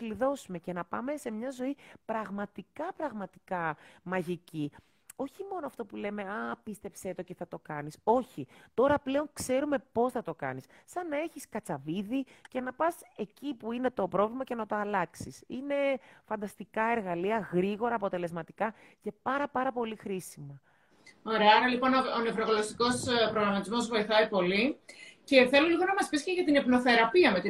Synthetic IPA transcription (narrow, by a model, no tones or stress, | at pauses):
liðo̞sume̞ce̞nɐpɐme̞se̞mɲɐzo̞ipɾɐɣmɐt̪ikɐpɾɐɣmɐt̪i̥kɐmɐʝici | o̞çimo̞noɐft̪o̞pule̞me̞ɐpist̪e̞pset̪o̞ce̞θɐt̪o̞kɐniso̞çit̪o̞ɾɐple̞o̞ŋkse̞ɾume̞po̞sθɐt̪o̞kɐ̰nisːɐnːɐe̞çiskɐt͡sɐviðice̞nɐpɐse̞cipuine̞t̪o̞pɾo̞vlimɐce̞nɐt̪o̞ɐlɐksisine̞fɐnd̪ɐst̪ikɐe̞ɾɣɐliɐɣɾiɣo̞ɾɐːpo̞t̪e̞le̞zmɐt̪ikɐ | ce̞pɐɾɐpɐɾɐpo̞lixɾisimɐ | o̞ɾeɐɐɾɐlipo̞noone̞vɾoɣolost̪iko̞spɾoɣɾɐmɐt̪izmo̞zvo̞iθɐipo̞lice̞θe̞loliɣo̞nɐmɐspisceʝɐt̪ine̞pno̞θe̞ɾɐpiɐme̞t̪i